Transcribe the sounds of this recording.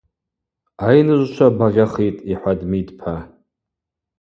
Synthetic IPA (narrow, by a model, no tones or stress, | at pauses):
ajnɨʒʷʃʷʰabaʁʲaχitʼiħʷadmidpʰa